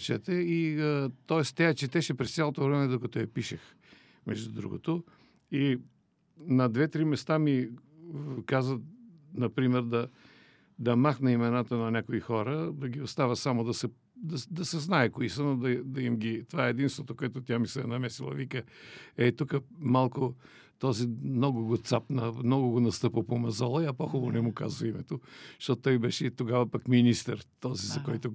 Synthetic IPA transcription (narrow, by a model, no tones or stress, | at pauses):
t͡ʃɛt̪ɛiət̪ɔɛst̪ʲːaɐt͡ʃɛt̪ɛʃɛpɾɛst̪sʲalˠot̪ovɾɛmɛd̪okɐt̪ojɐpiʃex | mɛʒd̪ud̪ɾṵɡo̰t̪o | i | nɐd̪vɛt̪ɾimɛst̪ami | kazvənɐpɾimɛɾd̪ɐ | d̪ɐmaxnɐimɛnat̪ənɐnʲakoixɔɾəd̪ɐɡʲiost̪avəsamod̪ɐsɛ | d̪ɐd̪ɐsɛznaɛkoisənod̪ɐd̪ɐimɡʲit̪ovaɛɛd̪inst̪vot̪okoɛt̪ʊt̪ʲjamisɛnɐmɛsilˠɐ̰vikəɛt̪ukəmalˠkʊ | t̪ɔzimnɔɡʊɡot̪sapnɐmnɔɡʊɡonɐst̪ɤpəpomɐzɔlˠɐjapoxubonɛmuka̰zvɐimɛt̪oʃt̪ɔt̪ːɔjbɛʃɛt̪oɡavɐpakminist̪əɾt̪ɔzizɐkɔjt̪ʊ